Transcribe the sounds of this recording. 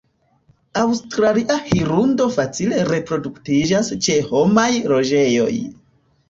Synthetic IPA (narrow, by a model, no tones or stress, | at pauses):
awstɾaliʔahiɾundo̞fat͡sile̞ɾe̞pɾo̞duktid͡ʒast͡ʃe̞ho̞majlo̞d͡ʒe̞jo̞̰j